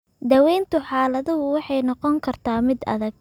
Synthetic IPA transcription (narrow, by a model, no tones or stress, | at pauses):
d̪ɐwɛjnt̪ʰʊħɑːlɐðʊɦʊwɑħɑjnɔqɔŋkʰɐrt̪ʰaːmɪd̪ɐ̰ðɐɡ̚